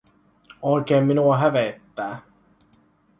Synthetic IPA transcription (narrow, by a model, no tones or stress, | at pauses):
oik̟eːmːinuɑɦæʋet̪ːæː